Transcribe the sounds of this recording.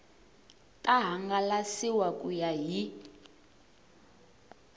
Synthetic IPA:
tʼaɦaŋɡalasiwakʼujaɦi

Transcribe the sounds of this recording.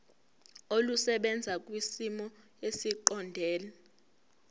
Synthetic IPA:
olusɛɓɛnd͡zʱak̬ʼwisimɔ | esiǃɔndʱɛːlɛ

